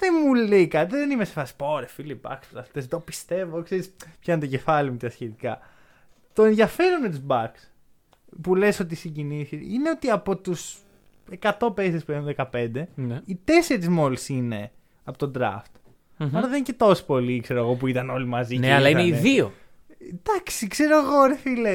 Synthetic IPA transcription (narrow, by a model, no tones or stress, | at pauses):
ðemuleikɐðenimesefɐsi̥po̞ɾefilibɐ̰ksfɾɐst̪esðopist̪e̞vokseɾispçɐnt̪oce̞fɐlimut̪iɐsçet̪ikɐ | t̪o̞e̞nðjɐfe̞ɾonmet̪uzbɐks | pule̞so̞t̪isiɲɟiniθiineo̞t̪iɐpo̞t̪us | e̞kɐt̪o̞pesespuexunðekɐpe̞nd̪e̞nit̪e̞seɾizmo̞lisine̞ | ɐpo̞t̪od̪ɾɐ̰ft̪ | ɐɾɐðencet̪o̞si̥po̞likse̞ɾoeɣo̞p̬uit̪ɐno̞limɐzineɐlɐineiðio | d̪̥ɐksikse̞ɾoeɣoɾefile